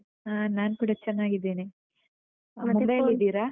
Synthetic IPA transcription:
anaːnkuːɽɐt͡ɕɛnːaːɡid̪eːneː | mubɐjlid̪iːɾaː

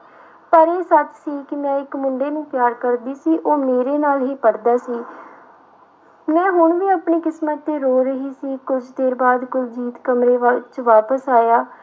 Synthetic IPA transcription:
pəɾeːsət̪siːkɪmɛ̃ːɪkmʊɳɖeːnũːpjaːɾkəɾd̪iːsiːʔoːmeːɾeːnaːlɦiːpəɽd̪aːsiː | mɛ̃ːɦʊɳʋiːaːpniːkɪsmət̪ːeːɾoːɾəɦiːsiːkʊd͡ʒd̪eːɾbaːd̪kʊld͡ʒiːt̪kəmɾeːt͡ʃʋaːpəsaːjaː

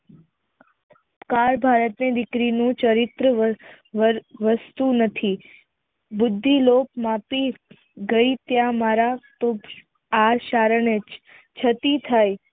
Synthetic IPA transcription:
kaɾbʱaɾət̪ned̪ɪkɾinũt͡ʃəɾɪt̪ɾə | ʋəst̪unət̪ʰi | bʊd̪ʱːilop̚mapi | ɡəit̪jãmaɾat̪o | aɾʃaɾəɳet͡ʃ | t͡ʃʰət̪it̪ʰaj

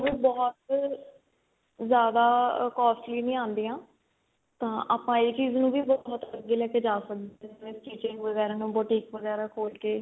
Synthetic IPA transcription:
ʋẽːbɔːt̪ | zjaːd̪aːkɔːsʈliːnĩːãːnd̪iːãː | t̪ãːʔaːpãːeːt͡ʃiːznũːʋiːbɔːt̪ləɡːeːlɛːkeːd͡ʒaːsək̚d̪eɛd͡ʒmẽːst͡ʃiːt͡ʃɪ̃ŋɡʋəɡɛːɾaːnũːbɔːʈiːkʋəɡɛːɾaːkʰoːlkeː

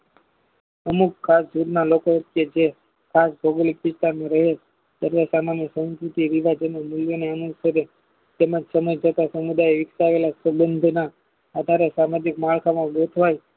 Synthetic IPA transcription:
əmukʰːasd͡ʒuɾnalokot̪ked͡ʒe | kʰasbʱoɡolik̚ʋɪst̪aɾmãɾəɦe | t̪jaɾʋasamanjəsə̃skɾut̪iʋiʋad͡ʒememulʋeneənuəɾe | t̪emad͡ʒsəməjd͡ʒət̪asəmud̪ajeʋɪksaːʋelasəbənd̪ʱna | ad̪ʱaɾesamad͡ʒikmaɭkʰamãɡot̪ʰʋaj

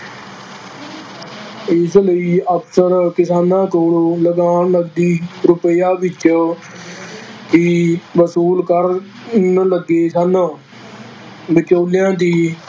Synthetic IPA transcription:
ɪsləiːəksəɾkɪsaːnãːkoːloːləɡaːnləɡd̪iːɾʊpəjaːʋɪt͡ʃ | t̪iːʋəsuːlkəɾ | nləɡeːsaːnãː | ʋɪt͡ʃoːlɪjãːd̪iː

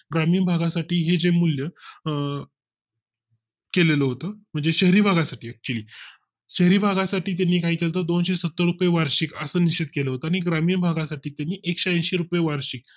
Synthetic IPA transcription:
ɡɾamiːnbʱaɡasaʈiːɦed͡ʑemuljə | keleləːɦot̪əːm̤əɳd͡zeɕəɦɾiːbʱaɡasaʈʰiːɛk̚t͡ɕuəliː | ɕəɦɾiːbʱaɡasaʈiːt̪̬janːiːkaiːkelt̪əːd̪onɕesət̪ːəɾupjeʋaɾɕikəsəːnit͡ɕit̪̚keləːɦot̪əaɽ̃iɡɾamiːɳbʱaɡasaʈiːt̪janːiːʔekɕeə̃nɕeɾupjeʋaɾɕik̚

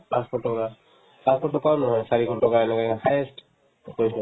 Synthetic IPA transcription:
paspɔtɔka | paspɔtɔkanɔɦɔjsaɹikʰɔtɔkaɛnɛkakafʰajest | kojsɔ

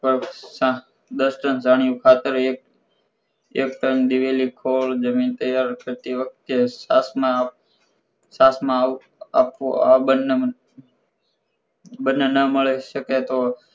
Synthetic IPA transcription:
pəɾsa | d̪əsʈənd͡ʒaɳ̃ijũkʰat̪əɾek | ek̚ʈ̪ənd̪iʋelikʰoɭd͡ʒəmint̪əjaɾkəɾt̪iʋək̚t̪jesasmã | sasmã | a̰poabənːe | bənːenəməɭeʃəket̪o

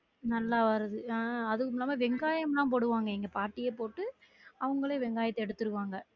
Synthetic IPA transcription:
nɐlːaːʋɐɾɐðɯɐðɯkːɯmɪlːaːmaːʋɛŋɡaːjɐmlãːp̬oːɽɯʋaːŋɡɐɛŋɡɐpaːɾʈːɪjeːpoːʈːɯ | ɐʋɐŋɡɐɭeʋɛŋɡaːjɐt̪ːɛɽɯt̪ːɯɾɯkːʋaːŋɡɐ

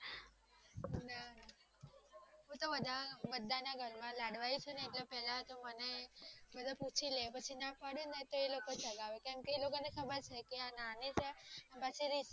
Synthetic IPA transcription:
nana | ɦũt̪obəd̪ʱabəd̪ːanaɡʱəlmãlaɽʋajut͡ʃʰuneetlepɛɦlãt̪omənebəd̪ʱaput͡ʃʰilepət͡ʃʰinapaɽjũnət̪oelokot͡ʃəɡaʋekɛ̃mkelokonekʰəbəɾt͡ʃʰekeananit͡ʃʰeənpət͡ʃʰiɾiʃ

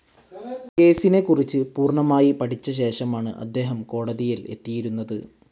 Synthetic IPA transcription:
ke̞ːsine̞kurit͡ɕːɨpuːrɳɐmaːjipɐʈʰit͡ɕːɐɕ̬e̞ːʂɐmaːɳɨ̰ʔɐ̰d̪ːe̞ːɦɐmko̞ːɽɐðijile̞̰t̪ːijiɾunːɐðɨ

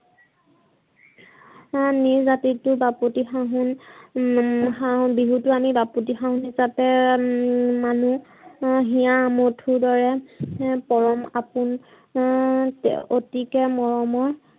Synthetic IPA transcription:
niɹzatitʊbaputixaɦʊn | xaɦunbiɦutʊamibaput̬ixaɦunɦisapɛ | manu | ɦijamotʰuɹdɔɹɛ | pɔɹɔmapʊn | o̰tikɛmɔɹɔmɔɹ

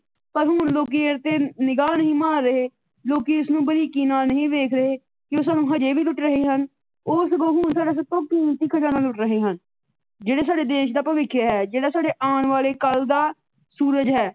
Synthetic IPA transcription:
pəɾɦʊnloːk̬iːəɾt̪eːnɪɡaːnəɦĩːmaːɾːəɦeː | loːkiːʊsnũːbəɾiːkiːnaːlnəɦĩːʋeːkʰɾəɦeː | kɪoːs̬aːnũːɦəd͡ʒeːʋiːlʊʈːɾəɦeːɦən | ʊːsɡoːɦʊnsaːɖaːs̬ət̪õːkiːnt̪iːkʰəd͡ʒaːnaːlʊʈɾəɦeːɦən | d͡ʒeːɽaːsaːɖeːd̪eːʃd̪aːpəʋɪkʰːjaɦɛːd͡ʒeːɽaːsaːɖeːʔaːnʋaːleːkəld̪aː | suːɾəd͡ʒɦɛː

